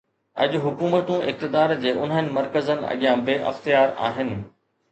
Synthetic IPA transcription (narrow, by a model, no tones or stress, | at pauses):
ɐ̰ʄʊɦʊkuːmət̪ũʔɪ̰x̚t̪ɪd̪aːɾd͡ʑeːʔʊn̤ənɪ̆mɐɾkəzənɪ̆ɐ̰ɠijãbeːʔɐ̰xt̪ijaːɾa̰ːɦɪnɪ̆